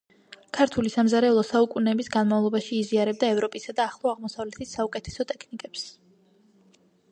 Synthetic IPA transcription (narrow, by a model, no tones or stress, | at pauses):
kʰaɾt̪ʰulisamzaɾɛulˠɔsaukʼunɛːbisɡanmavlˠɔbaʃiːziaɾɛb̚d̪aɛvɾɔpʼisad̪aːχlˠɔaʁmɔsavlɛt̪ʰisːaukʼɛt̪ʰɛ̥sɔt̪ʼɛkʰnikʼɛps